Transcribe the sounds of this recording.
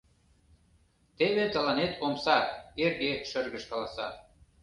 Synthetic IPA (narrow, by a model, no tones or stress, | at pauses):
t̪eβet̪ɑlɑnet̪omsɑerɣeʃə̆rɣəʃkɑlɑsɑ